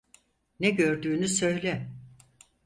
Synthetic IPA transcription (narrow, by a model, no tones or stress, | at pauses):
nɛɟø̞ɾd̪yːnysø̞jlʲɛ